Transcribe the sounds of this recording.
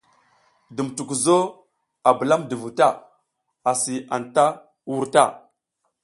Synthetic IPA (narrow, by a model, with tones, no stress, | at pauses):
də˨m˨tu˨ku˨zo˦ | a˨bə˨la˦mdə˨vu˨ta˦˨ | a˨si˨a˨nta˦ | wu˦ɾta˦˨